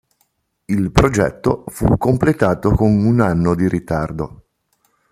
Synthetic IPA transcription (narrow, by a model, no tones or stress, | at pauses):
ilpɾod͡ʒɛ̰t̪ːofṵkːomplet̪aːt̪okonunanːod̪iɾit̪ard̪o